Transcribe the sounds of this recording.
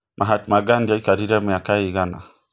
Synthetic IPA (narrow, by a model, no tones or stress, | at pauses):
mʔaɦatmaɡandiaikaɾiɾɛmujakaiɣana̰